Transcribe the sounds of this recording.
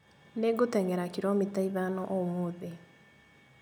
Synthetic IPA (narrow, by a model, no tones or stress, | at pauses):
neɡotɛŋeɾakiɾomitaiβanɔʔomoðe